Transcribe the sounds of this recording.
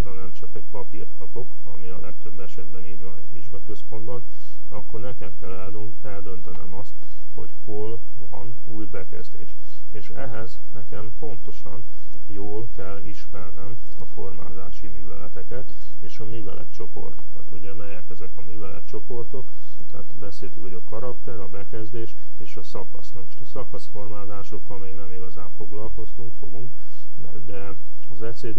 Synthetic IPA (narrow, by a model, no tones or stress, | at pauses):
ɦɒnɛmt͡ʃɒkɛcpɒpirt̪kɒpo̞k | ɒ̰miɒlɛk̚t̪ø̞bːɛʃɛd̪bɛniːɟvɒnɛɟʋiʒɡɒkø̞spo̞nd̪bɒn | ɒkːo̞rnɛkɛmkɛlː | ɛld̪ø̞nt̪ɛnɛmɒst̪ | ho̞̰chol | vɒ̰n | uːjbɛkɛ̰zd̪ḛːʃ | eːʃɛ̰ɦɛz | nɛkɛmpo̞nt̪o̞ʃɒ̰n | joːlkɛlːiʃmɛrnɛm | ɒfo̞rma̰ːzaːʃimyːvɛ̰lɛt̪ɛkɛt̪ | eːʃɒmyːvɛ̰lʔɛ̰t̪t͡ʃo̞po̞̰rt̪o̥kɒ̰t̪uɟɛmɛjɛkɛzɛkɒmyːvɛlɛ̰t̪t͡ʃo̞po̞rt̪o̞k | t̪ɛ̰ːt̪bɛseːlt̪yŋkojɒkɒɾɒkt̪ɛɾɒbɛkɛzd̪eːʃ | eːʃɒsɒkɒ̰snɛmoʃt̪ɒsɒkɒsfo̞rmaːzaːʃo̞kːɒlmeːɡnɛmiɡɒzaːɱfo̞ɡlɒlko̞st̪uŋkfo̞̰ɡuŋk̪ | ɛ̰d̪ɛ | ɒzɛseːd̪e